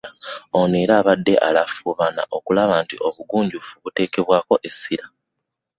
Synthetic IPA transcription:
aoniːɾaːβadːe̞ʔa̰lafuβana̰ʔo̞kulaβaːntḭʔo̞βuɡuːɲɟufuβute̞ːke̞βwaːko̞ʔe̞siɾa

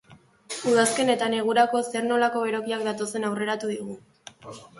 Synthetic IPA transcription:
uð̞aske̞ne̞t̪ane̞ɣ̞uɾako̞seɾno̞lako̞βeɾo̞kiak̚d̪at̪o̞se̞nawre̞ɾat̪uðiɣ̞u

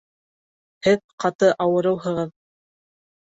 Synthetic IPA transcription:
hɘðqɑt̪ɤʔɑwɤ̆ɾɤ̆wɦɤ̆ʁɤð

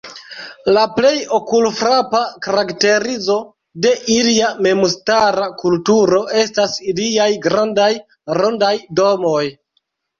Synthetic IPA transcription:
laple̞jo̞kulfɾapakaɾakte̞ɾizo̞ | de̞ʔiliame̞mustaɾakultuɾo̞ʔe̞stasiliajɡɾandaj | ɾondajdo̞mo̞j

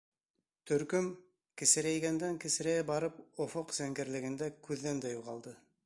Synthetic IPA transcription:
t̪ɵ̆ɾkɵm | kɘ̆sɘ̆ɾæjɡænd̪æŋkɘ̆sɘ̆ɾæjæbɑɾɤpofoqz̥æŋɡɘ̆ɾlɘ̆ɡɘ̆nd̪ækʉðːænd̪æjuʁɑlˠd̪ɤ

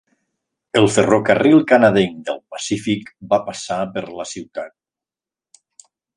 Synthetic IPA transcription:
əlˠferokarilˠkanaðeŋd̪əlˠpasifikbapasapəɾləsiwt̪at̪̚

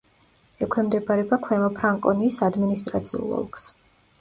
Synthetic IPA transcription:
ɛkʰwɛmd̪ɛbaɾɛbakʰwɛmɔpʰɾaŋkʼɔniːsad̪minist̪ʼɾat̪sʰiṵlˠɔ̰lˠkʰʼs

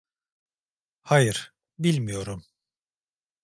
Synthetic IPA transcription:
hajɯɾ̥ | bilʲmijo̞ɾum

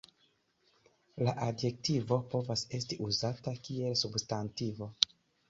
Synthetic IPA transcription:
laʔadje̞k̚tivo̞po̞vase̞s̬tiʔuzatakie̞lsubstantivo̞

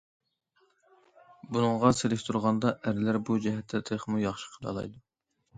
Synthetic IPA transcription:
bunɨŋʁɑselɪʃʲt̪ʰuɾʁɑnd̪ɑʔæɾɪlæɾbud͡ʒɛɦɛt̪ʰːɛt̪ʰeχmujɑχʃi̥qʰəlˠɑ̰lˠɑ̰jd̪u

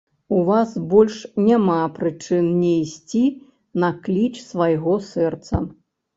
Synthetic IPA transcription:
uvasbɔlʲʂnʲamapɾɨt͡ʂɨnnʲɛjsʲt͡sʲi | nɐklʲit͡ʂsvajɣɔsɛrt̪sɐ̰

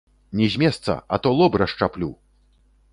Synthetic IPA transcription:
nʲɛzʲmʲɛst̪sɐ̰ɐ̰t̪ɔlˠɔbɾɐʂt͡ʂaplʲu

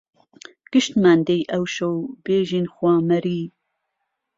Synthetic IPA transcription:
ɡ̥ɨʃt̪maːnd̪ejʔɐwʃowbeːʒinxwaːmɐɾiː

